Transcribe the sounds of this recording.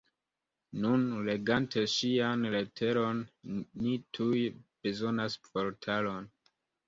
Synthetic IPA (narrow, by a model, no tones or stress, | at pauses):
nunle̞ɡantʰe̞ʃianle̞tʰe̞ɾo̞nːitʰujb̥e̞zo̞naspo̞ɾtʰalo̞n